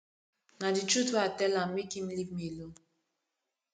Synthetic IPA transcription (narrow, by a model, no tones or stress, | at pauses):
nadit͡ʃɾutatɛlamikim̩livmilo